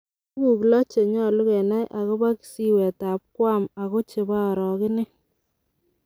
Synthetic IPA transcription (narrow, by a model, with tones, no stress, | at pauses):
bu˨klɔ˦t͡ʃe˨ɲɔ˦˨lʊ˦ɣɛ˨na˦jʔa˨ɣɔ˦ba˦ki̥˨si˦wɛ˨ta˨p̚kwa˦ma˨ɣo˦t͡ʃɪ˨ba˦ɔ˨ɾɔ˨ɣɪ˦nɪ˦